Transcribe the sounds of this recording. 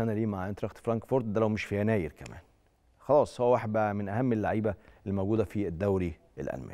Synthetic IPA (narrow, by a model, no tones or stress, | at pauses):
ʔænæliːmaʕʔent̪ɾɑxt̪fɾɑŋkfoɾt̪̚d̪ælæwmeʃfijænæːjeɾkæmæ̰ːn | xɑlɑːsˤhowːæwaħebæʔæmenʔæhæmːelːaʕiːbæelːimowɡuːd̪æfied̪ːæwɾi | ḛlʔæ̰lmæ̰ːn